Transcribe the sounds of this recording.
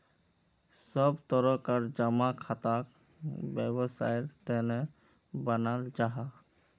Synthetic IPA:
səbt̪ɔɾɔkəɾd͡ʒəmakʰat̪ak | bjəbəsajt̪ɛne | bənald͡ʒaɦa

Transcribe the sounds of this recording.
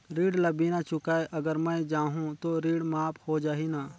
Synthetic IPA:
ɾiːɽlɐbiːnat͡ʃʊkaːeʔɐɡəɾmɛ̃d͡ʒaːɦũt̪oɾiːɽmaːphoːd͡ʒaːɦinaː

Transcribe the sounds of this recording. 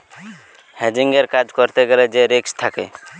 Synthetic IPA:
hed͡ʒiŋɡeɾkad͡ʒkɔɾt̪eɡeɾɛd͡ʒeɾekst̪ʰakḛ

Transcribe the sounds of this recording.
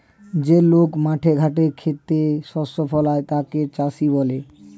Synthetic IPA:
d͡ʑelokmaʈʰeɡʱaʈeɾkʰet̪ːeʃɔsofɔlaet̪aket͡ɕaʃiβɔle

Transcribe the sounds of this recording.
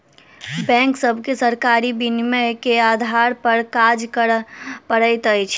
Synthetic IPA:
bɛ̃ŋksəbʱkesəɾkaɾibinmekead̪ʱaɾpəɾkad͡ʒkəpəɽəjt̪əjt͡ʃʰ

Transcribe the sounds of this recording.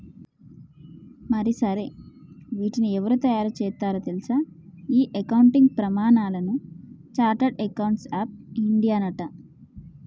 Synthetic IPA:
mɐɾisɐɾe̞ʋiːʈiniɛʋɐɾut̪ɐjaːɾut͡ʃɛːt̪aːɾɐt̪elisaiːʔekɐwuɳʈiŋɡ̚pɾɐmaːɳaːlɐnut͡ʃaːɾʈɐɖekɐwɳʈsaːp̚iɳɖijaːnɐʈɐ

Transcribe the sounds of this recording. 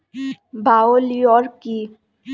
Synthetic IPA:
bʱaoliɔɾki

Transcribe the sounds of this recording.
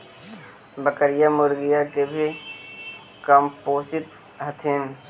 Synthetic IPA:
bəkəɾijamʊɾɡijakebʱi | kɐmpoːsɪt̪ | ɦɐt̪ʰɪn

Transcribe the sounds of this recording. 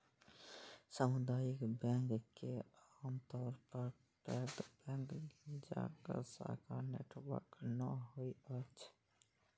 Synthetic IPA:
səmʊd̪aːjikbɛ̃ŋkkeaːmt̪ɔːɾpəɾ | ʈɛd̪bɛ̃ːŋkd͡ʒa̰kə̰ɾsa̰kaɾnḛʈʰbə̰knəɦoiət͡ʃʰ

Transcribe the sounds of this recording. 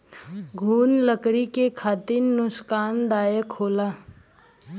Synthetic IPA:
ɡʱuːnləkɽikekʰaːt̪iɾnʊskaːnd̪aːjəkʰoːlaː

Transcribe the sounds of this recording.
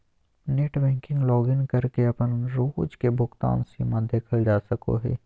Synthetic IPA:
neːʈʋɛ̃ːŋkɪ̃ŋɡlɔːɡɪnkɐɾkeɐpənɾoːd͡ʒkebʱʊkt̪a̰ːnsemãd̪eːkʰəld͡ʒaːsəko̰ɦɛ̰ː

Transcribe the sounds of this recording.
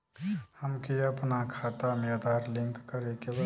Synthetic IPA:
həmkiɐpnakʰaːt̪amed̪ʱaːɾlɪ̃ŋkːəɾekeb

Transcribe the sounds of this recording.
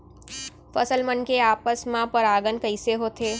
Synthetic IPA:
fəsəlmənkeaːpəsmãpəɾaːɡənkəɪseɦot̪ʰe

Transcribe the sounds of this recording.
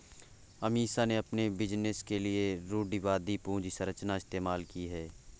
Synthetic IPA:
ɐmiːsaneɐpnebɪd͡ʒnɪskelieɾoːɖiʋaːd̪ipũːd͡ʒisɐɾət͡ʃnaɪst̪eːmaːlkiɦɛː

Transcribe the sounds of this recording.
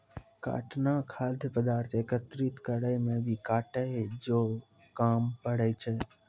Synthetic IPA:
ka̰ːʈnakʰad̪ʱəpəd̪aːɾt̪ʰekət̪ɾit̪kəɽəjmẽʋikaʈəɦed͡ʒo | kampəɽejt͡ʃʰe

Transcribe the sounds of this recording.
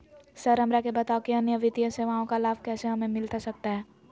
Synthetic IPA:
sɐɾɐmɾakebɐt̪aːokeɐnjəʋɪt̪ijə̃seʋaːõkalaːbkɛːseɦɐmẽmɪlt̪asɐk̚t̪aɦɛː

